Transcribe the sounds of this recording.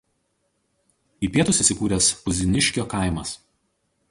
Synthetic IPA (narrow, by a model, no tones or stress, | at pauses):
iːpʲiɛt̪ʊsiːˑsʲɪkuːɾʲɛspʊzʲɪnʲɪʃʲkʲoːkaˑɪmɐs